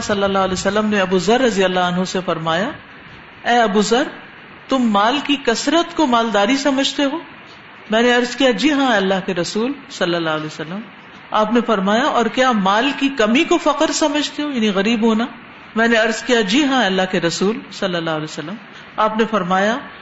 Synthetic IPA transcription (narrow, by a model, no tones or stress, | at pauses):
sɐlːəlːaːɦʊlɛsɐlːəmneɐbuzɐɾːɐzijəlːaɐnɦõsefɐɾmaːja | ɛːɐbuzɐɾ | t̪ʊmːaːlkikɐsɾət̪komaːld̪aːɾisɐməd͡ʒʱt̪eɦoː | mɛ̃ːneɐɾzkijad͡ʒiːɦãɛːɐlːaɦkeɾɐsuːlsɐlːəlːaːɦlɛsɐlːəm | aːpnefɐɾmaːjaʔɔːɾkjaːmaːlkikɐmikofɐqəɾsɐməd͡ʒʱt̪eɦoːjɐːniɣɐɾiːbɦoːna | mɛ̃ːneɐɾzkijad͡ʒiːɦãɛːɐlːaɦkeɾɐsuːlsɐlːəlːaːɦlɛsɐlːəm | aːpnefɐɾmaːja